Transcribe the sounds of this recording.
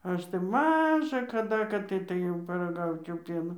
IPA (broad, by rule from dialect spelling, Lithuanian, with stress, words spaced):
ˈɐʃ tɐɪ ˈmɑːʒɐ kɐˈdɐ kɐt ˈtɐɪ tɐɪ ˈjɛʊ pɐrɐˈɡɐʊt͡ʃʲɛʊ ˈpʲiɛnoː